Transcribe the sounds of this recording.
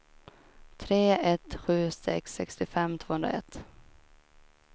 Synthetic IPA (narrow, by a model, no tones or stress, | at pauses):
t̪ʰɾeːɛt̪ɧʉ̟ːsɛ̰ksːɛkst̪ɪfɛmːt̪ʰv̥oːhɵnd̪ɾa̰ɛt̪ː